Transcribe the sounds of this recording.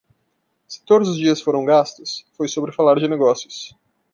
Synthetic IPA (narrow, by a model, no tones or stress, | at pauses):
sɪ̥t̪od̪ʊzʊzd͡ʒiɐsfoɾɐ̃w̃ɡast̪ʊsfojsobɾɪfalaɾd͡ʒɪneɡɔsjʊs